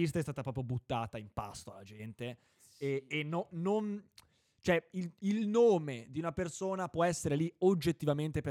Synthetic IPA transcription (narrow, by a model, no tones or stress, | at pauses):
ist̪aɛst̪aːt̪apɾɔːpɾjobut̪ːaːt̪aimpa̰st̪oalːad͡ʒɛnt̪e | ɛːnːoːon | t͡ʃoɛiilnoːmed̪iunapersoːnapwɔɛsːeɾeliod͡ʒːet̪ːivament̪epe